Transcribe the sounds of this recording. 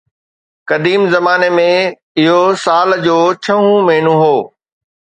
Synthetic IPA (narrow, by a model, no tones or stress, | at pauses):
kɐd̪iːmzɐmaːnemẽ | ɪɦosaːld͡ʑoːt͡ɕʰɐɦũmɐɦɪɳũɦoː